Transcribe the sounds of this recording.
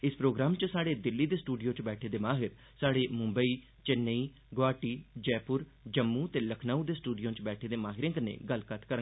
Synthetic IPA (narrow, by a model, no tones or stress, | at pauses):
ɪspɾoːɡɾaːmt͡ʃəsaːɽeːd̪ɪlːiːd̪eːsʈuːɖijõːt͡ʃbɛːʈʰeːd̪eːmaːɦɪɾ | saːɽeːmʊ̃mbəiː | t͡ʃənːəiː | ɡoaːʈiːd͡ʒɛːpʊɾd͡ʒəmːũːt̪eːləkʰnaːũːd̪eːsʈuːɖijõːt͡ʃbɛːʈʰeːd̪eːmaːɦɪɾẽːkənḛːɡəlkət̪kəɾə